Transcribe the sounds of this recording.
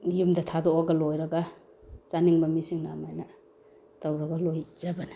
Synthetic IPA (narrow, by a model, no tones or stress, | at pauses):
jumdɐtʰadoʔaɡalojɾɐɡa | t͡ʃaniŋbɐmisiŋna̰majna | tawɾɐɡalojzabanḁ